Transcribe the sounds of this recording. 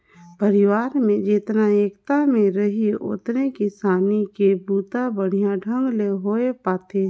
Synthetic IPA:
pəɾɪʋaːɾmẽd͡ʒɪt̪naeːkt̪amẽɾəɦio̰ːt̪ɾekɪsaːnikebuːt̪abəɽ̤ijãɖʱə̃ŋɡleɦoːepaːt̪e

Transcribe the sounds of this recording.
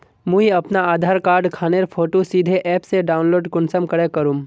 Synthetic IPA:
mũːiɐpnaaːd̪ʱaːɾkaːɾɖkʰaːneɾpʰoːʈosid̪ʱeʔɛːpseɖaːʊnloːɖkʊnsəmkɐɽekəɾũːm

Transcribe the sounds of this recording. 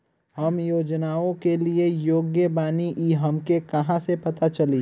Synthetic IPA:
ɦɐmjoːd͡ʒnaːõkeliejoːɡjəbaːniʔiɦɐmkekɐɦãsepɐt̪at͡ʃɐli

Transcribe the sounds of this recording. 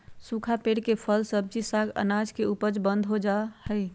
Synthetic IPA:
sukʰapeɽkepʰəlsəb̚d͡ʒisaɡə̰nad͡ʒkeupəd͡ʒbə̃nd̪ʱɦod͡ʒahəj

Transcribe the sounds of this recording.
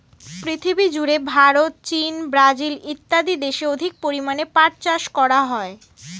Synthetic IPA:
pɾit̪ʰibid͡ʑuɾebʱaɾot̪̚t͡ɕinbɾad͡ʑilit̪ːad̪id̪eʃeod̪ʱik̚poɾimanepaɾt͡ɕaʃkɔɾaɦɔe

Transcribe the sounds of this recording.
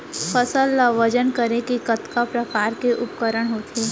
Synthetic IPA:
pʰəsəlːaʋəd͡ʒənkəɾẽkikɐt̪kapɾɐfaːɾkeʔʊpkəɾəɽ̃ɦoːt̪ʰeː

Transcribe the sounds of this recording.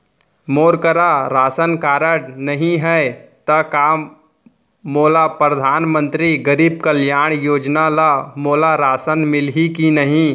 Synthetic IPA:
moːɾkəɾaɾaːsənkaːɾəɽnəɦĩɦɛet̪ɐkaːmː | oːlapɾəd̪ʱaːnmə̃nt̪ɾiɡəɾiːb̚kəljaːɽ̃joːd͡ʒnalamoːlaɾaːsənmɪlɦikinəɦĩ

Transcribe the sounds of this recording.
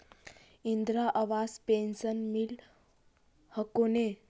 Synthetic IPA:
ind̪ɾaʔaʋaspensənmil | həkone

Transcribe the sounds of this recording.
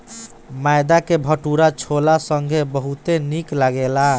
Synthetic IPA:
majd̪akebʱəʈuɾat͡ʃʰolasəŋɡʱebəɦut̪eniklaɡela

